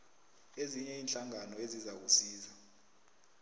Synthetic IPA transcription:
eziɲɛiːnɬaŋanɔezizak̬usiːza

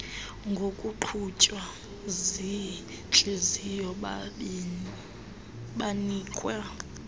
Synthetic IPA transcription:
ŋɡʱokʼuǃʰut͡ʃʼwa | zi | t͡ɬʼezijɔ | ɓaniːkʼwa

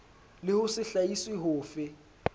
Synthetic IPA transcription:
lɪhʊsɪɬaisɪɦʊːfɪ

